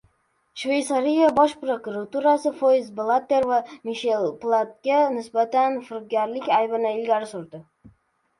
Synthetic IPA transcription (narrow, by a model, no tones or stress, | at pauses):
ʃvejt̪saɾijabɒʃpɾokʊɾat̪uɾasɪfojzblˠat̪ːe̞ɾvamiʃelˠplˠat̪̚ɡʲanɪsbat̪anfɪɾqɡʲaɾlɪkʲajbɪnɪɪlɡʲaɾɪsʊɾd̪ɪ